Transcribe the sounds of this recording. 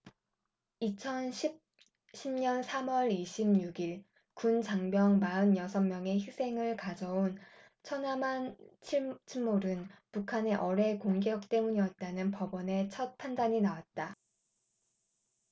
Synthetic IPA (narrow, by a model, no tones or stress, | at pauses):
it͡ɕʰʌnɕʰip̚ | ɕʰimɲʌnsʰamʌɾiɕʰimɲuɡiɭ | kunt͡ɕaŋbjʌŋmaɯnjʌsʰʌŋmjʌŋe̞çisʰe̞ŋɯɭkad͡ʑʌon | t͡ɕʰʌnamant͡ɕʰit͡ɕʰiɭmoɾɯnpukʰane̞ʔʌɾe̞koŋɡjʌk̚t͈e̞muɲijʌt̚t͈anɯnpʌbʌne̞t͡ɕʰʌt̚pʰandaɲinawat̚t͈a